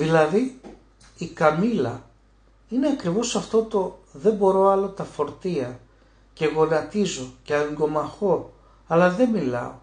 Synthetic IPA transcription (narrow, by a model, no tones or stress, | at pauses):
ðilɐði | ikɐmilɐ̰ | ineɐkɾivo̞sɐft̪o̞t̪o̞ðe̞mbo̞ɾo̞ɐlo̞t̪ɐfo̞ɾt̪iɐ | ce̞ɣo̞nɐt̪izo̞ceɐŋɡo̞mɐxo̞ | ɐlɐðe̞milɐ̰o̞̰